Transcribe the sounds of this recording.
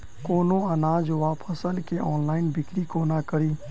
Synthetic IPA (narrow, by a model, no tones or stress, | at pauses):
koːnõɐnaːd͡ʒʋaːpʰəsəlkeʔɔːnlaːɪnbɪkɾikoːnakəɾiː